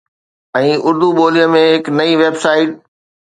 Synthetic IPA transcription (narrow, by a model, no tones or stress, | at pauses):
ɛ̃ːʔʊɾd̪uɓoːlijəmẽɦɪknɐiʋeːbsaːɪʈ̚